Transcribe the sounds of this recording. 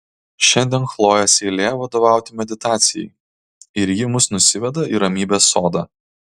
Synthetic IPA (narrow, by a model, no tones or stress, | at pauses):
ʃʲɛnʲd̪ʲɛnxlˠoːjɛsʲeːlʲeːjɛʋɐd̪oːʋɑˑʊt̪ʲɪmʲɛd̪ʲɪt̪ɑːt̪sʲɪjɛ̰ɪ | ɪɾjɪmʊsnʊsʲɪʋʲɛd̪ɐiːɾɐmʲiːbʲeːsoːd̪ɑː